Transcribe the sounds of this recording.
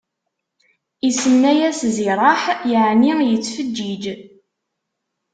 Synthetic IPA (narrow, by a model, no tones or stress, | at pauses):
isənːæjæsziɾˤɑħjəʕnijət͡sːfəd͡ʒːid͡ʒ